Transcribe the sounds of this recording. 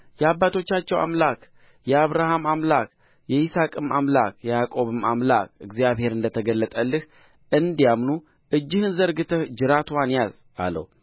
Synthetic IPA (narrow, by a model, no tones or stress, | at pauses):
jɛabːat̪ʰo̞t͡ʃːat͡ʃːɛwa̰mlak | jɛaβɾahamamlak | jɛisakʼɨmamla̰kjɛjakʼo̞βɨmamla̰kɨɡzijaβhe̞ɾɨnd̪ət̪ʰəɡəlːət̪ʼəlːɨh | ʔɨnd̪ijamnu | ʔɨd͡ʒːɪhɨnzəɾɡɨt̪ʰəhd͡ʒɨɾat̪ʰwanjaz | a̰lːə̰wu